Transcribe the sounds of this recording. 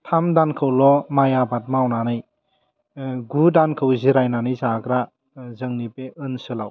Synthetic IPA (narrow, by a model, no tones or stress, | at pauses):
tʰamdankʰɯwlɔmajabat̚mawnanɯj | ɡudankʰɯwziɾajnanɯjzakɾa | zɯŋnipeʔɯnsɯlaw